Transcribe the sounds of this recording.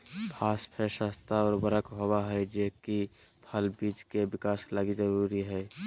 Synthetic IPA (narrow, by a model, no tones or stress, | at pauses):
pʰaːspʰeʃast̪aɔːɾbəɾəkɦowaɦɛd͡ʒeki | pʰəlbiːd͡ʒkebɪkaːsklaːɡid͡ʒəɾuːɾiɦɛː